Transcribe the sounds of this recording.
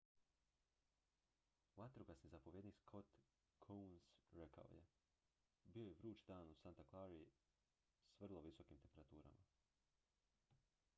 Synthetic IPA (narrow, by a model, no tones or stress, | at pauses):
vat̪ɾoɡasnizapo̞ʋjeniskʰo̞t̪ | kʰunsɾeka̰dḛ | bio̞jeʋɾuːt͡ʃd̪aːnusant̪aklˠaɾi | sʋr̩lˠo̞ʋiso̞kimt̪e̞mpe̞ɾat̪uːɾa̰ma